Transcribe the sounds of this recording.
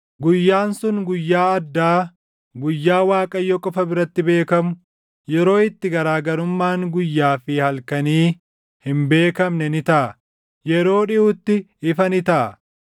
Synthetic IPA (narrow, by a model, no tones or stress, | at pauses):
ɡʊjːaːnsʊŋɡʊjːaːɐd̪ːaː | ɡʊjːaːwaːkʼɐjːɔkʼɔfɐbɪɾɐt̪ːɪbe̞ːkɐmʊ | jɛɾo̞ːɪt̪ːɪɡɐɾaːɡɐɾʊmːaːŋɡʊjːaːfɪhɐlkɐniː | hɪmbe̞ːkɐmnɛnɪt̪ɐʔɐ | jɛɾo̞ːᶑɪʔʊt̪ːɪː | fɐnɪt̪ɐʔɐ